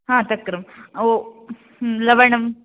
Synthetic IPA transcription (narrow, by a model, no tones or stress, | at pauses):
ɦãːt̪ɐkːɾɐmo | lɐʋɐɳɐm